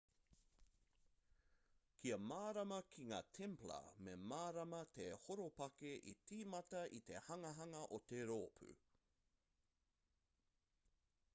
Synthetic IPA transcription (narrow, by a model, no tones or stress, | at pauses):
kʰiɐmaːɾɐmɐkʰiŋa̰ːtʰɛmplɐ̰memaːɾɐmɐt̪ehoɾopɐkeʔḭtʰiːmɐtɐʔit̪e̞hɐŋɐɦɐŋɐʔot̪eɾoːpʰʉ̰